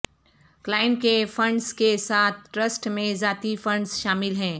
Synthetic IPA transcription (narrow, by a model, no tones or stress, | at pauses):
klaːɪnkefɐ̃ɳɖzkesaːt̪̚ʰʈɾəsʈmẽzaːt̪ifɐ̃ɳɖzʃaːmɪlɦɛ̃ː